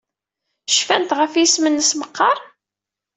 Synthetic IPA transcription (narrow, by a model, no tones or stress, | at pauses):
ʃfænt̪ʁəfjismənːəsməqːɑɾˤ